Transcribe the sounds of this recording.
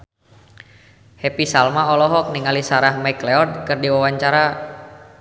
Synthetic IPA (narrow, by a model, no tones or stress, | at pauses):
hɛpisalmaɔlɔɦɔk̚niŋalisaɾahmajklɛɔrd̚kɨrdiwawaɲt͡ʃaɾa